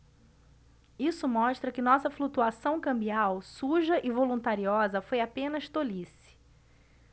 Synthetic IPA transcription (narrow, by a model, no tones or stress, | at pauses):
isʊmɔʃt̪ɾɐkɪnɔsɐflut̪uasɐ̃w̃kɐ̃mbiawsuʒɐʔɪvolũnt̪aɾiɔzɐfojapẽnɐʃt̪olisɪ̥